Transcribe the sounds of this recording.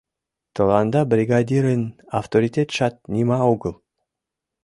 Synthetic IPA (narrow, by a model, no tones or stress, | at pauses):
t̪ʰəlˠɑnd̪ɑbɾʲiɡad̪ʲiɾənaft̪oɾʲit̪ʲet̪ʃɑt̪̚nʲimɑuɡəlˠ